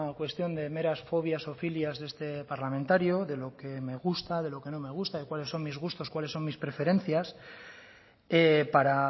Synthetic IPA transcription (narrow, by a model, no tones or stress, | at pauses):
akwe̞st̪jo̞nd̪e̞me̞ɾasfo̞β̞jasofiljazðe̞st̪e̞paɾlamẽnt̪aɾjoðe̞lo̞ke̞me̞ɣ̞ust̪aðe̞lo̞ke̞no̞me̞ɣ̞ust̪aðekwale̞sːo̞ŋmizɣ̞ust̪o̞skwale̞sːo̞nmispɾe̞fe̞ɾe̞n̟θjas | epaɾa